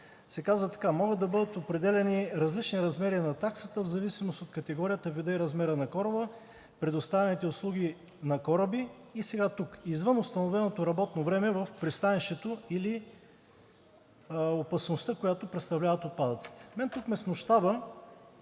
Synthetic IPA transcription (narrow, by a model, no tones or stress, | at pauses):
sɛkazvət̪ɐ̥kamɔɡəd̪d̪ɐbɤd̪ət̪opɾɛd̪ɛlɛniɾɐzlit͡ʃniɾɐzmɛɾinɐt̪aksə̥t̪əvzɐvisimost̪ot̪kət̪ɛɡɔɾijət̪əvid̪əiɾɐzmɛɾənɐkɔɾəbə | pɾɛd̪ost̪avɛnit̪ɛʊslˠuɡ̟i | nɐkɔɾəbiːsɛɡat̪ukizvɤnʊst̪ɐnovɛnot̪oɾɐbɔt̪novɾɛmɛvəfpɾist̪anɛʃt̪ɛt̪oili | opɐsnost̪əkojat̪opɾɛt̪st̪ɐvlʲavɐt̪ot̪̚pad̪ɐt̪si̥t̪ɛ̥mɛnt̪ukmɛsmoʃt̪abə